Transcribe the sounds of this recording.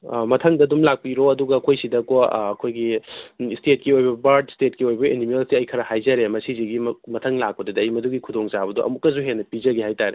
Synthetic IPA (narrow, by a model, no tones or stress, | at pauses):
mɐtʰɐŋdɐdumlak̚piɾoɐduɡɐɐkʰojsidɐkoɐkʰojɡistet̚kiojbɐbaɾdstet̚kiojbɐʔenimelsiɐjkʰɐɾɐhajzɐɾemɐsiziɡimmɐtʰɐŋlak̚pɐdɐdɐɐjmɐduɡikʰudoŋt͡ʃabɐdoʔɐ̰mukːɐzuɦenːɐpizɐɡehajtaɾe